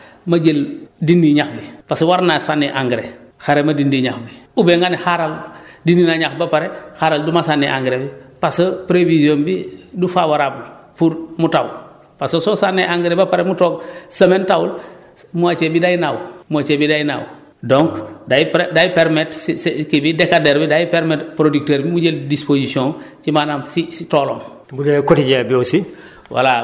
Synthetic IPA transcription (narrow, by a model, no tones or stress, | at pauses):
maɟeldindiɲaxbipaswaɾnasanːeʔaŋɡɾexaɾemadindiɲaxbiubeŋɡanixaɾaldindinaɲaxbapaɾexaɾaldumasanːḛʔa̰ŋɡɾebipasopɾevizionbidufawaɾabulpuɾmutaw̰ | pasososanːeʔaŋɡɾebapaɾemutoːɡsəmentawul | muat͡ʃebidajnawmuat͡ʃebidajna̰w | doŋkdapdajipeɾmetsskibidekadeɾbidajipeɾmetpɾodik̚teːɾbimuɟeldisposisiõŋt͡ʃimanamsisitoːlom | budekotiɟebiosi | wa̰la